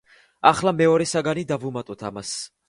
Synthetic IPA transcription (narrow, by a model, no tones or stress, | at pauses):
aχlamɛɔɾɛsaɡanid̪avumat̪ʼɔt̪ʰa̰mas